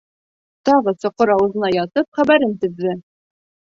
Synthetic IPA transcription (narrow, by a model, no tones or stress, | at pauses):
t̪ɒʁɤsŏqɤɾɑwɤ̆zɤ̆nɑjɑt̪ɤpχæbæɾɘnt̪ɵ̆ðːɘ